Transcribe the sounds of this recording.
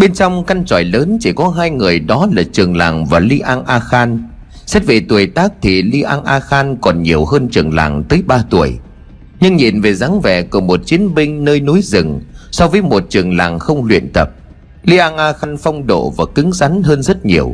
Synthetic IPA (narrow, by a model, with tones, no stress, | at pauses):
ɓe˧nt͡ɕɔ˧wŋ͡mka˧nt͡ɕɔ˧˩jləː˨˦nt͡ɕi˧˩kɔ˨˦ɦaː˧jŋɨ˨˩əjɗɔ˨˦laː˨˩t͡ɕɨ˨˩əŋla̰ː˨˩ŋvaː˨˩li˧ʔaː˧ŋʔaː˧xaː˧n | sɛ˦˥t̚ve˨˩t̪u˨˩əjt̪aː˦˥k̚t̪ʰi˨˩li˧ʔaː˧ŋʔaː˧xaː˧nkɔ˨˩nɲi˨˩əwhəː˧nt͡ɕɨ˨˩əŋla̰ː˨˩ŋt̪əː˨˦jɓaː˧t̪u˧˩əj | ɲɨ˧ŋɲi˨˩nve˨˩zaː˨˦ŋvɛ̰˧˨ku˧˩əmo˨˩t̚t͡ɕi˨˦ənɓï˧ŋ̟nəː˧jno˨˦jzɨ˨˩ŋsɔ˧wvəː˨˦jmo˨˩t̚t͡ɕɨ˨˩əŋla̰ː˨˩ŋxə˧wŋ͡mlwḭ˧˨ənt̪ə˨˩p̚ | li˧ʔaː˧ŋʔaː˧xaː˧nfɔ˧wŋ͡mɗo̰˧˨vaː˨˩kï˨˦ŋza˨˦nɦəː˧nzə˦˥t̚ɲi˨˩əw